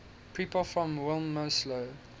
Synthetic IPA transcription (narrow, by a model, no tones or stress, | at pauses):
pʰiːˑpəlfɹɔ̃mwɛlˠmːoslo